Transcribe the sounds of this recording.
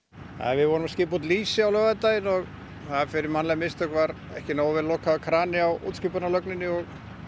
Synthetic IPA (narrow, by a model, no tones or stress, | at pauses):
a̰ðvɪðvɔɾʏmascɪːput̪liːsɪawlœːɣaðɪt̪aːjɪnɔɣ | θaðfɪɾɪɾmanlajmɪst̪œkvaɾ | ɛ̰hcɪnoːwvɪðlɔːkaðakʰɾaːnɪawṵːt̪scipʏɾnalœknɪnːɪɔɣ